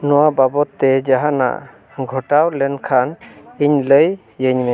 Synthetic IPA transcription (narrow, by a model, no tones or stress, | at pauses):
nɔwababɔt̪ːɛd͡ʒaɦana̰ʔ | ɡʱɔʈawlɛnkʰaniɲləj | jəɲmɛ